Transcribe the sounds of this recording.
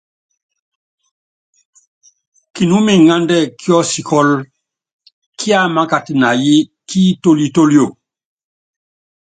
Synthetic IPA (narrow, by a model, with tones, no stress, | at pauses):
ki˨nu˦mi˨ŋa˦ndɛ˦ki˦ɔ˦si˨kɔ˦l | kʰi˦a˦ma˦ka˨ti˨na˨ji˦ki˦to˦li˦to˦ljo˨